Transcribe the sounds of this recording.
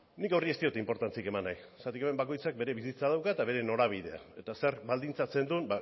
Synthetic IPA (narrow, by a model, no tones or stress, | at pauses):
nikawrie̞st̪io̞t̪eimpo̞ɾt̪ant͡sike̞manːajsat̪ikeme̞mbako̞jt͡sak̚beɾe̞βisit͡sað̞awkaet̪aβe̞ɾe̞no̞ɾaβ̞iðe̞a̰e̞t̪ase̞ɾβald̪int͡sat͡se̞nd̪unba